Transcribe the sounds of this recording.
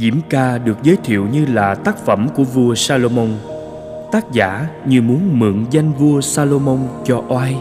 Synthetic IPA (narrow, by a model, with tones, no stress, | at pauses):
zḭ˧˩˥mkaː˧ɗɨ˨˩ək̚zəː˨˦jt̪ʰḭ˧˨əwɲɨ˧laː˨˩t̪aː˦˥k̚fə˧˩mku˧˩əvu˧əsaː˧lo˧mo˧wŋ͡m | t̪aː˦˥k̚za̰ː˧˥ɲɨ˧mu˨˦ənmɨ̰˧˨əŋza˧jŋ̟vu˧əsaː˧lo˧mo˧wŋ͡mt͡ɕɔ˧ʔwaː˧j